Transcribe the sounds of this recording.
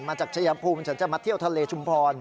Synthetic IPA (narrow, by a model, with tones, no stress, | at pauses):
maː˧t͡ɕaː˨˩k̚t͡ɕʰa˧ja˩˦pʰuː˧mt͡ɕʰa˦nt͡ɕa˨˩ma˦˥t̪ʰi˥˩wt̪ʰa˧leː˧t͡ɕʰu˧mpʰɔː˧n